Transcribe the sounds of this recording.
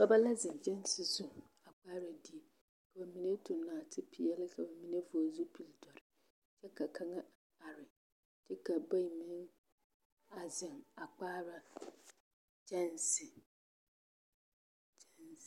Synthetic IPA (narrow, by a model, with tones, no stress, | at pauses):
ba˦ba˦la˦zɪ̃˨nd͡ʒɛ˦n˦sɪ˨zu˦˨ | a˨k͡paː˦ɾa˨di˨e˨ | ka˨ba˨mi˨ne˦tʊ˨naː˨tʰɪ˦pʰi˨jɛ˦lɪ˦kʰa˨ba˨mi˨ne˦vʊ˨a˨zu˦pi˨ldɔ˨ɾɪ˨ | t͡ʃɛ˦ka˨kʰa˦ŋa˦ | a˨ɾɪ˨ | t͡ʃɛ˦ka˨ba˦˨mɪ̃˨˦n | a˨zɪ˨ŋa˨k͡paː˦ɾa˨ | d͡ʒɛ˦nsɪ˨ | d͡ʒɛ˦ns